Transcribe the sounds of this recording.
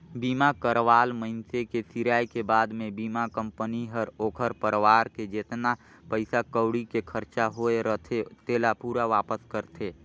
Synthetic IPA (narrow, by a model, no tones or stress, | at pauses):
biːmakəɾʋaːlməɪnsekesiɾaːikebaːd̪mẽbiːmakə̃mpəniɦəɾoːkʰəɾpəɾʋaːɾked͡ʒeːt̪na | pəɪsakəʊɽikekʰəɾt͡ʃaɦoeɾət̪ʰet̪eːlapuːɾaʋaːpəskəɾt̪ʰeː